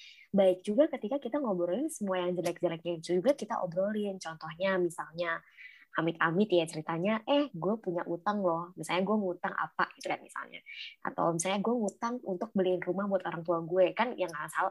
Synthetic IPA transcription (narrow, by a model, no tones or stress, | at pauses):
baɪk̚d͡ʒuɡakət̪ikakit̪aŋobɔɾinsəmuajaŋd͡ʒəlak̚d͡ʒəlɛk̚ɲaid͡ʒud͡ʒuɡakit̪aʔo̰bɾolɪnt͡ʃɔnt̪ɔhɲamisalɲaʔamɪt̪amɪt̪jat͡ʃəɾit̪aɲaʔɛhɡuɛpuɲaʔut̪aŋlɔhmisalɲaɡuɛŋut̪aŋa̰pa̰it̪uɡat̪misa̰lɲa̰ʔa̰t̪a̰wmisalɲaɡuɛŋut̪aŋunt̪ʊk̚bəliɪnrumahbuat̪oɾaŋt̪uaŋɡuɛkanjaŋasa